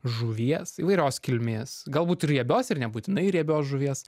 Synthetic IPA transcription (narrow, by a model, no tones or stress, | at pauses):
ʒuʋʲiɛsḭːʋɐɪɾʲoːskʲɪlʲmʲeːsɡɐlˠbuːt̪ɪɾjiɛbʲoːsɪɾnʲɛbuːt̪ʲɪnɐɪɪɾiɛbʲoːsʒʊʋʲiɛs